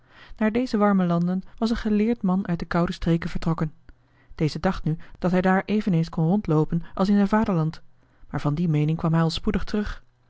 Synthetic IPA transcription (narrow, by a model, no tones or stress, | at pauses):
naːɹdejzəʋɑɹməlɑndənʋɑs̬ənχəlɪːɹtmɑnœɥt̚dəkʌwdəstrejkənvəɹtrɔkən | d̥ejzədɑχtnyd̥ɑtɦɛjdaːɹʔejvənejnskɔnrɔntlowpənʔɑlˠsɪnzɛjnvaːdəɹlɑnt | maːɹvɑndimejnɪŋkʋɑmɦɛjɑlˠspudəχtərɵχ